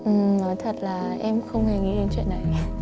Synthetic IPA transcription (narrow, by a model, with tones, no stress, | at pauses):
ʔɨ˨˩nɔ˨˦jt̪ʰə˨˩t̚laː˨˩ʔɛ˧mxə˧wŋ͡mhe˨˩ŋḭ˧˥ɗe˨˦t͡ɕwḭ˧˨nːa˨˩j